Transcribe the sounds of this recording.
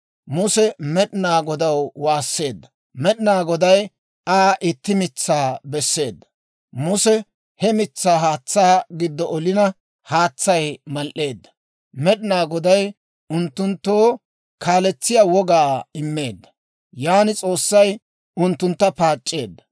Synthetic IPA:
mʊsɛmɛɗɪnaːɡɔd̪ɐwwaːsːe̞ːd̪ːɐ | mɛɗɪnaːɡɔd̪ɐj | aːʔɪt̪ːɪmɪt͡sːaːbɛsːe̞ːd̪ːɐ̥ | mʊsɛ | hɛmɪt͡sːaːɦaːt͡sːaːɡɪd̪ːɔʔɔlɪnɐ | haːt͡sːɐjmɐlʔːe̞ːd̪ːɐ̥ | mɛɗɪnaːɡɔd̪ɐj | ʊnt̪ːʊnt̪ːoː | kaːlɛt͡sːɪjawɔɡaːɪmːe̞ːd̪ːɐ | jaːnɪt͡sʼo̞ːsːɐj | ʊnt̪ːʊnt̪ːɐpaːt͡ʃʼːe̞ːd̪ːɐ̥

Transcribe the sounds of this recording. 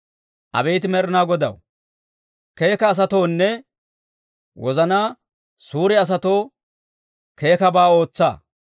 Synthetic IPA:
ʔɐ̰bɛjt̪̬ɪmɛɾɪnaːɡɔd̪ɐ̰w | ke̞ːkɐːs̬ɐt̪o̞ːnːɛ | wɔzɐnaː | suːɾɪɐs̬ɐt̪o̞ː | ke̞ːkɐbaːo̞ːt͡sːa̰ː

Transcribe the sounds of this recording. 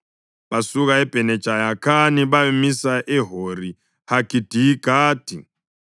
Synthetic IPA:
βasuɣaɛb̥ʱɛnɛ̥d͡ʒ̥ʱajakʰaniβamisaʔɛɦoɾi | haɡ̥ʱid̥ʱiɡ̥ʱaːd̥ʱḭ

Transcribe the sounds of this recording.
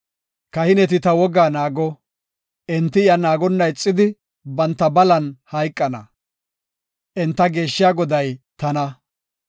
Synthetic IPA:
kɐhɪnɛt̪̬ɪt̪ɐwɔɡaːnaːɡɔ | ʔɛnt̪ːɪɪjɐnaːɡɔnːɐjt͡sʼːɪd̪ɪ | bɐnt̪ːɐbɐlɐnhɐjkʼːɐnɐ̰ | ʔɛnt̪ːɐɡe̞ːʃːɪjaːɡɔd̪ɐjt̪ɐnɐ

